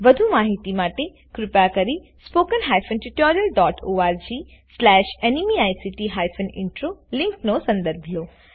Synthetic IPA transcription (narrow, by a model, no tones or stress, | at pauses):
ʋɐd̪ʱumaːɦit̪imaːʈe | kɾɪpakɐɾi | spoːkənɦaːjfʰənʈɪʈoːɾijəlɖɔːʈʰoːaːɾd͡ʑiː | slɛːʃeːnimiaːjsiʈiɦaːjfʰənɪ̰̃ɳʈɾoːlɪ̃ŋknosɐ̃nd̪əɾbʱijoː